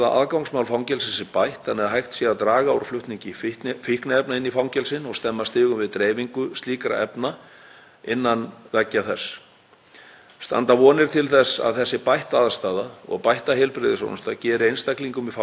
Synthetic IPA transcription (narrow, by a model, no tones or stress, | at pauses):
ða̰ʔa̰ðkawŋsmawlfawŋcɛlsɛsɪpajht̪θanɛðɦajht̪sjɛat̪ɾaːɣaowɾ̥flʏht̪niɲcɪfht̪fihknaɛpnaɪnːifawŋcɛlsɪnɔɣst̪ɛmːast̪ɪːɣʏmvɪðt̪ɾeːjviŋkʏst̪liːkɾa̰ɛ̰pna | ɪnːanvɛcːaθɛsː | st̪a̰nt̪avɔːnɪɾ̥t̪ʰɪlθɛsa̰ðθɛsːɪpajht̪aaðst̪aːðaɔ̰ɣpajht̪aɦɛlpɾɪðɪsɔ̰nst̪acɛːɾɪejnst̪akliŋkʏmifa